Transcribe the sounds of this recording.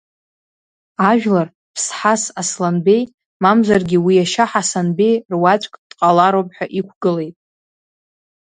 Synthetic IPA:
aʒᶣlar | pʰsħasaslanbe̞j | mamzʷarɡʲiwiaʃaħasanbe̞jrwat͡ʃʷʼkʼd̥qʼalaɾopʼħᶣaʔikʷʰɡɨle̞jtʼ

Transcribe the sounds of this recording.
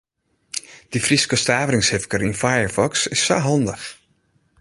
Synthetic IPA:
d̥ifriskəstaːvərɪŋshɪfkərinfajəɹfɔksɪsːaɦɔndəx

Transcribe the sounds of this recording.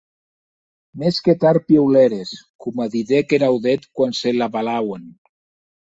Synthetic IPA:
mesket̪aɾpjewleɾeskumaðiðekeɾawðet̪kwanselaβalawen

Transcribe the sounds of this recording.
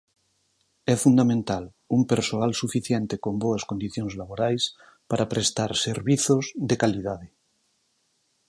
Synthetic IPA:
ɛfund̪amẽnt̪al | umpeɾsoalsufiθjent̪ekomboaskond̪iθjonzlaβoɾajs | paɾapɾest̪aɾseɾβiθozðekalið̞að̞e

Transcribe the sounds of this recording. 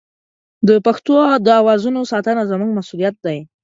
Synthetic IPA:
d̪əpaxt̪od̪əawɑzunosɑt̪anazəmuŋɡmasulijat̪̚d̪aj

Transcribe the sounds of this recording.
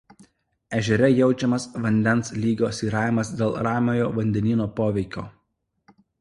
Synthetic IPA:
ɛʒʲɛɾʲɛjɛʊt͡ʃʲɛmɐsʋɐnʲd̪ʲɛnslʲiːɡʲoːsiːɾɑːɪɪmɐsd̪ʲeːlˠɾɑːmʲoːjoːʋɐnʲd̪ʲɛnʲiːnoːpoːʋʲɛɪkʲo̰ː

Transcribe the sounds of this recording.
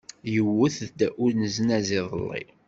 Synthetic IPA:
jəwːəθd̪æʔʊɾnəzənæzɪðˤə̰lːḭ

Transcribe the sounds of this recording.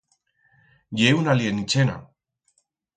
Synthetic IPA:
jewnalienit͡ʃena̰

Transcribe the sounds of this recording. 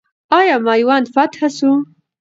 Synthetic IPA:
ɑjɑmɑjwɑnd̪fat̪hasu

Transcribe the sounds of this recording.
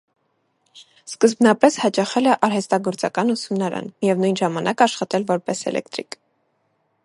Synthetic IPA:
skəzbnɑpɛshɑt͡ʃɑχɛlɛʔɑɾɦɛst̪ɑɡɔɾt͡sɑkɑnusumnɑɾɑ̰nmjɛvnujnʒɑmɑnɑkɑʃχɑt̪ɛlvɔɾpɛsɛ̰lʔɛ̰kt̪ɾḭk

